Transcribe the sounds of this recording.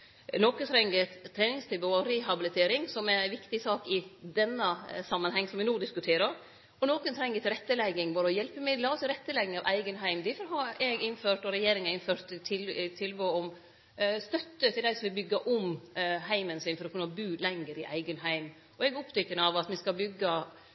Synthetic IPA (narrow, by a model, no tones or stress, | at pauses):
noːkənt̪ʰɾɛŋːət̪ʰːɾeːnɪŋst̪ɪʋəɔɾɛɦɑbɪlɪt̪ʰeːɾɪŋsɔmɛɾæʋɪkt̪ɪsɑːkɪd̪ɛnːəsɑmːənhɛŋːsɔmʋɪnuːd̪ɪskʉt̪ʰeːɾɑɾ | ɔnoːkənt̪ʰɾɛŋːət̪ɪɾɛt̪ːəlɛɡːɪŋbɑːɾəɔjɛlpəmɪlɑɔsɪɾɛt̪ːəlɛɡɪŋɑʋʔæ̰ɪɡənɦæɪmd̪ɪfɔɾɦɑɾɛɡɪnføːʈɔɾɛjeːɾɪŋɑɾɪnføːɾt̪t̪ʰːɪlt̪ʰɪlʋəɔm | st̪œt̪ːət̪ʰɪld̪æɪsɔmʋɪlbʏɡːɑʔɔmɦæɪmənsɪnfɔɾɔkʰʉnːɑbʉːlɛŋːəɾɪʔæɪɡənɦæɪm | ɔɛɡɔpt̪ʰʏkːənəɑʋɑt̪mɪskɑbʏɡːɑ